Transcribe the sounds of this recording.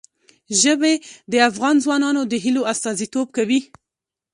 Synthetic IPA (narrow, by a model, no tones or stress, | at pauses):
ʒəbed̪əafɣɑnzwɑnɑnod̪əɦiloast̪ɑzit̪ob̚kawi